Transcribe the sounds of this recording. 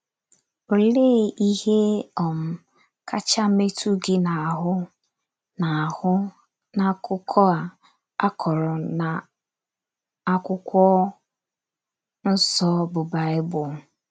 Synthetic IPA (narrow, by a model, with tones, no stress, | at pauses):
o˨le˦i˦he˦ɔ˨m̩˦ | ka˦t͡ʃa˦me˦tʰu˦ɡɪ˦na˨a˨ɦʊ˦ | na˨hʊ˦ | na˨kʊ˦kʰɔ˦a˨ | a˦kʰɔ˨ɾɔ˨na˨ | a˦kʷʊ˦kʷɔ˦ | n̩˦sɔ˦bʊ˨ba˨ɪ˦bʊ˨